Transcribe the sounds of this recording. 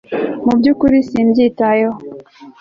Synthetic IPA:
mubɟukuɾisimbjitajo

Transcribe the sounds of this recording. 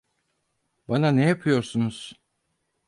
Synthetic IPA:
bananejapʰɯjo̞ɾsunuz̥

